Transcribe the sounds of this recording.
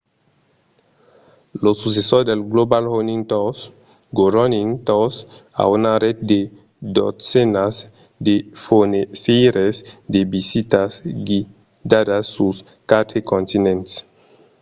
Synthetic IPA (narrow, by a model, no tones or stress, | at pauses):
losus̬esoɾd̪elɡlobalhonĩŋt̪os | ɡoɾonint̪osa̰unaɾet̪̚d̪e | d̪o̰senas | d̪efoneseɾesd̪ebisit̪asɡi | d̪ad̪asːus | kat̪ʰekõnt̪inẽnt̪s